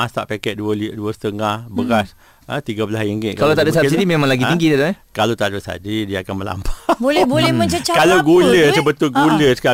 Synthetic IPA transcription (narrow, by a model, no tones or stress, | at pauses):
ast̪aʔpakɛʔ̪̚duəliʔduəsə̥t̪əŋahbəɣas | ət̪iɡabəlajiŋɡɪʔkalawt̪aʔdoʔs̬asidimemãŋlaɡiiŋɡit̪ad̪oɛkalat̪adosa̰didiaakanməla̰mpabolɛhbolɛhmə̃ɲt͡ʃət͡ʃakalaɡuləsəbət̪ʊlɡuləsə̥ka